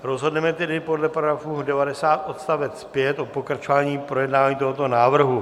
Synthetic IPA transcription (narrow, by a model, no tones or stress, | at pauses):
ɾo̞zɦo̞dnɛmɛt̪ɛdɪpo̞dlɛpɾoɡafuːdɛvadɛsaːt̪ʔo̞t̪st̪avɛt͡sspjɛt̪ʔo̞po̞kɾat͡ʃo̞vaːɲiːpɾo̞jɛdnavaːɲiːt̪oɦo̞t̪o̞naːvr̩ɦu